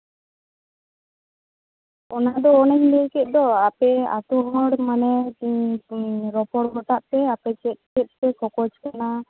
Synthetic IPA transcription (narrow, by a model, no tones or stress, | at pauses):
ɔnad̪ɔːnɛd͡ʒlɛkɛt̪̚ˀd̪ɔapɛa̰t̪uɦɔɽmanɛ | ɾɔpɔɽmɔʈ̪aʔt̪ɛapɛt͡ʃɛt̪̚kɛt̪̚ˀt̪ɛkɔkɔt͡ʃkana